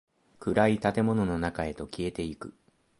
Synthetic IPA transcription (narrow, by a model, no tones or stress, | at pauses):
kɯ̟ɾait̪at̪e̞mo̞no̞no̞nakae̞t̪o̞kʲie̞t̪e̞ikɯ̟